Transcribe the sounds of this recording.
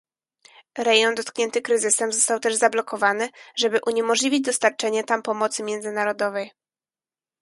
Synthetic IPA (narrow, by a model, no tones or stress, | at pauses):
ɾɛjɔnd̪ɔt̪kɲɛnt̪ɘkɾɘzɘsɛmzɔst̪awt̪ɛʐzablɔkɔvanɘʐɛbɘʔuɲɛmɔʐlʲivʲid͡ʑd̪ɔst̪aɾt͡ʂɛɲɛt̪ampɔmɔt̪sɘmʲjɛnzɘnaɾɔd̪ɔvɛj